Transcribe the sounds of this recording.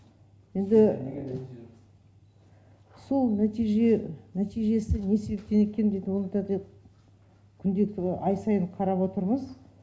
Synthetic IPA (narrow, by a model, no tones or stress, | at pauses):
je̞nd̪ɪ | so̞lˠnæt̪ijʒenæt̪ijʒe̞sɪne̞se̞be̞p̚t̪e̞ne̞kʲʰe̞nd̪et̪wolɑt̪ɑd̪e | kʲʰʏnd̪e̞k̪̚ɑjsɑjəɴqʰɑɾɑpwo̞t̪əɾməz